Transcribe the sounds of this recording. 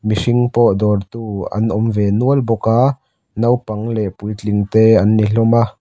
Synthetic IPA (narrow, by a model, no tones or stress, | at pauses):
misiŋpɔʔd̪ɔrt̪uːɐ̰nʔɔmvɛnuəlbɔka | nɐwpɐŋlɛʔpujt͡ɬiŋt̪eːɐnːiɬɔma